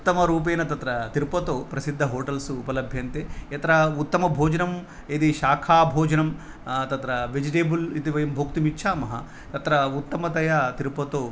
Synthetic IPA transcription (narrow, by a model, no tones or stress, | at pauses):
ut̪ːɐmɐɾuːp̬eːnɐt̪ɐt̪ɾɐt̪iɾpɐt̪oːpɾɐsid̪ʱːɐɦoːʈɐlsuupɐlɐbʱjɐnt̪eːɐt̪ɐɾɐut̪ːɐmɐbʱoːd͡ʒɐnɐm | ed̪iʃaːkʰaːbʱoːd͡ʒɐnɐm | t̪ɐt̪ɾɐʋed͡ʒiʈeːbulit̪iʋɐjɐmbʱokt̪imitːʃʰaːmɐɦɐ̰ | t̪ɐt̪ɾɐut̪ːɐmɐd̪ɐjat̪iɾupɐt̪oː